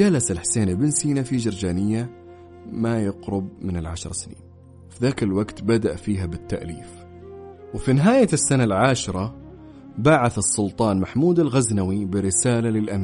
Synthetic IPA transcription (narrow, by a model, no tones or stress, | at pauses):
d͡ʒalasalħseːnɪlbɪnsiːnafid͡ʒɑɾˤd͡ʒaːnɪjːa | majɪqɾʊb̚mɪnɪlʕaʃɑɾˤsnḭːn | fiðaːkɪlwaɡt̪bad̪aʔfiːɦabɪt̪ːa̰ʔliːf | wfinɪɦaːjasːanalʕaːʃɾˤɑ | baʕaθɑsˤːʊlt̪ˤɑːnmaħmuːd̪alɣaznawibɪɾɪsaːlalɪlʔamiː